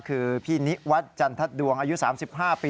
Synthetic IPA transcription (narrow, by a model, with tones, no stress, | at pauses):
kʰɯː˧pʰiː˥˩ni˦˥wa˦˥t̪̚t͡ɕa˧nt̪ʰa˦˥t̪̚du˧əŋʔaː˧ju˦˥saː˩˦msi˨˩p̚ɦaː˥˩piː˧